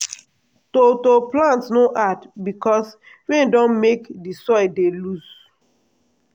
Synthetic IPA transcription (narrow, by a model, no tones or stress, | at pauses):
totoplãntsnoʔadbikɔs | wɛ̃ndɔ̃nmekdisɔɪdelus